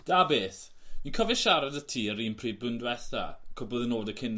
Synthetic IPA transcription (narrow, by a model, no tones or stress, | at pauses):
d̥aːbeːθ | minkʰɔvɪʃaɾadətʰiːəɾiːnpʰriːdbɨndwɛθa̰kʰʊbɔðənoːdəkʰɪn